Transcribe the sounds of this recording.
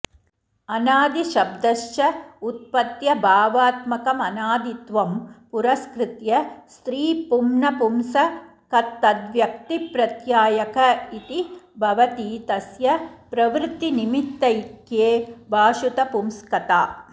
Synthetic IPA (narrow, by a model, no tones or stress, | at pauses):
ɐnaːd̪iʃɐb̚d̪ɐʃjɐut̪̚pɐt̪jɐbʱaːʋaːt̪mɐkɐmɐnaːd̪it̪ʋɐmpuɾɐskɾɪt̪jɐst̪ɾiːpumnɐpumsɐ | kɐt̪ːɐd̪ʋjɐk̚t̪ipɾɐt̪jaːjɐkʰɐit̪ibʱɐʋɐt̪iːt̪ɐsjɐpɾɐʋɾt̪ːinimit̪ːɐjkjeːbʱaːʃut̪ɐpumskɐt̪aː